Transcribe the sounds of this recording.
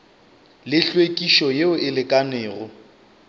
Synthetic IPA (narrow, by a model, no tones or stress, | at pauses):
lɪɬwekʼiʃɔjeʊɪlɪkʼanɪːɣʊ